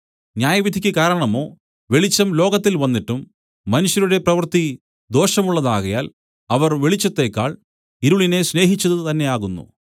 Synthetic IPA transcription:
ɲjaːjɐʋid̪ʱikʲːɨkaːɾɐɳɐmo̞ː | ʋe̞ɭit͡ɕːɐmlo̞ːɣɐt̪ːilʋɐnːiʈːumː | ɐnuɕjɐɾuɽe̞prɐʋɐrt̪i | d̪o̞ːʂɐmuɭːɐðaːɣɐjaːl | ɐʋɐrʋeɭit͡ɕːɐt̪ːe̞ːkːaːɭ | iɾuɭine̞sne̞ːɦit͡ɕːɐðɨt̪ɐnːe̞aːɣunːṵ

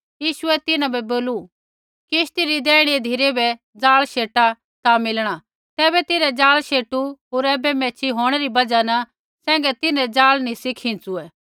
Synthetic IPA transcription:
jiːʃʊɛt̪ɪnãbɛboːlu | kɪʃt̪iɾid̪ɛːɽ̃id̪ʱiɾebɛ | d͡zaːlʃeːʈa | t̪amɪlɽ̃a | t̪ɛːbɛt̪ɪɾɛd͡ʒaːlʃeːʈuɦoːɾɛːbɛmɛːt͡ʃʰiɦoːɽ̃ɛɾibɐd͡ʒanɐ | sɛ̃ːŋɡɛt̪ɪnɛd͡zaːlnisɪkʰɪ̃t͡suɛː

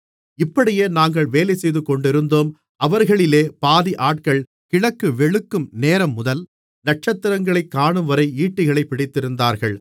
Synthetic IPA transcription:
ɪpːɐɽɪjeːnaːŋɡɐɭʋeːlɐɪsɛjðɯkːɔɳɖɪɾɯnd̪oːm | ʔɐʋɐɾɣɐɭɪleːpaːðiʔaːʈ̚kɐɭ | kɪɻɐkːɯʋɛɻɯkːɯmneːɾɐmːʊðɐl | nɐʈ̚t͡ʃɐt̪ːɪɾɐŋɡɐɭɐɪkːaːɳɯmʋɐɾɐɪiːʈːɪɣɐɭɐɪpːɪɽɪt̪ːɪɾɯnd̪aːɾɣɐɭ

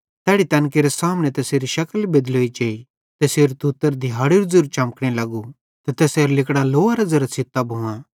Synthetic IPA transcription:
t̪ɛːɽit̪ɐ̃ːnkeɾesaːmnɛ̃t̪ɛːseːɾiʃɐkəlbed̪lɦoːid͡ʒeːi | t̪ɛseːɾt̪ut̪ːəɾd̪ʱɪjaːɽiɾud͡zuɾt͡ʃɐmkɽ̃ɛlɐɡu | t̪ɛt̪ɛːseːɾlɪkɽ̃aloːaɾɐd͡zɐɾɐsʰɪt̪ːabʱũã

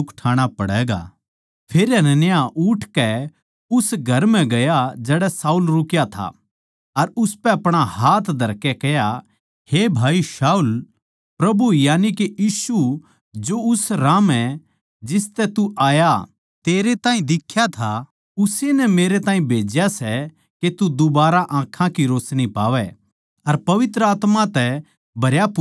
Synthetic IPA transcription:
ʊkʈʰaːɽ̃apɐɽɛːɡa̰ː | pʰeːɾjanɛnejaʔʊʈʰkɛ | ʊsɡʱɐɾmɛ̃ɡɐjad͡ʒɛːɽɛsaːulɾʊkjat̪ʰa̰ | ɐɾʊspɛɐpɽ̃ahaːt̪ʰd̪ʱɐɾkɛkɛja | heːbʱaːisaːul | pɾɐbujaːnikejiːsu | d͡ʒoʊsɾaːmɛ | d͡ʒɪst̪ɛt̪uʔaːja | t̪eːɾet̪ãːĩd̪ɪkʰːjat̪ʰa | ʊsenɛmeːɾet̪ãːĩbʱeːd͡ʒjasɛ | ket̪ud̪ʊbaːɾaʔãːkʰːãkiɾoːsñipaːʋɛ | ɐɾpɐʋɪt̪ɾəaːt̪mãt̪ɛ | bʱɐɾjap

